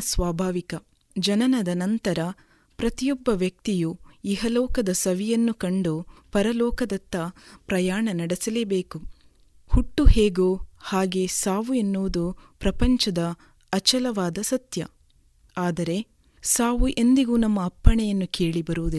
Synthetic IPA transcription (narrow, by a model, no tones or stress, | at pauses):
sʋaːbʱaːʋikɐ | d͡ʒɐnɐnɐd̪ɐnɐnt̪ɐɾɐ | pɾɐt̪ijɔbːɐʋjɐk̚t̪ijuiɦɐlɔːkɐd̪ɐsɐʋijɐnːukɐɳɖupɐɾɐlɔːkɐd̪ɐt̪ːɐpɾɐjaːɳɐnɐɽesɐleːbeːku | huʈːuhe̞ːɡuhaːɡe̞ːsaːʋuenːuːd̪upɾɐpɐɲt͡ʃɐd̪ɐː | t͡ʃɐlɐʋaːd̪ɐsɐt̪jɐ | aːd̪ɐɾe̞ | saːʋuʔe̞nd̪iɡuːnɐmːɐːpːɐɳɛjɐnːuke̞ːɭibɐɾuːd̪i